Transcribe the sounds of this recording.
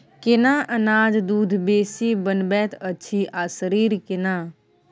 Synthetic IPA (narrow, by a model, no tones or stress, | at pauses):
kɪnaːʔənaːd͡ʒd̪uːd̪ʱbeːsibənbɛːt̪ʰətːʃʰiʔaːsəɾiːɾkɪnaː